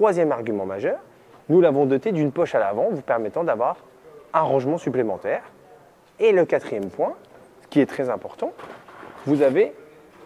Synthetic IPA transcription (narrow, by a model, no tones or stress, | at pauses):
χwazjɛmaʁɡʲymɑ̃maʒœːʁ | nulavɔ̃d̪ɔt̪ed̪ynpɔʃalavɑ̃vupɛʁmɛt̪ɑ̃d̪avwaʁ | ãʁɑ̃ʒmɑ̃syplemɑ̃t̪ɛːʁ | eləkat̪χijɛmpwɛ̃ | sə̥kʲiɛt̪χɛzɛ̃pɔʁt̪ɑ̃ | vuzave